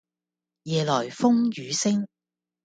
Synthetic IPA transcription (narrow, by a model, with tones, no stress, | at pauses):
jɛː˨lɔː˨˩jfʊ˥ŋjyː˨˧sɪ˥ŋ